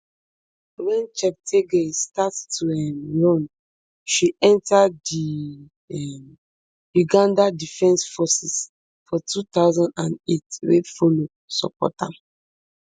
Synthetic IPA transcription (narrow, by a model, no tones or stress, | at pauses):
wɛ̃nt͡ʃɛp̚tʰeɡestattʰːuɛmɹɔ̃n | ʃiɛ̃ntadi | ɛm | juɡãndadifɛ̃nsfɔsis | fɔtʰut̪aʊzãndã̰netɹḛdfolo | sɔ̰pɔ̰tã̰